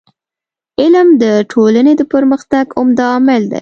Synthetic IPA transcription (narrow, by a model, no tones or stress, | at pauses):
ɪlmd̪əʈʰolaned̪əpəɾməxt̪aɡʊmd̪aːmɪld̪a̰j